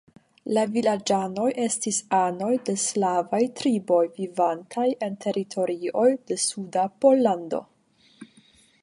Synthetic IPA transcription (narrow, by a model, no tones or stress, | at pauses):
lavilad͡ʒano̞jʔe̞stisano̞jde̞slavajtɾibo̞jvivantʰaje̞ntʰe̞ɾitʰo̞ɾio̞jde̞sudapo̞lːando̞̰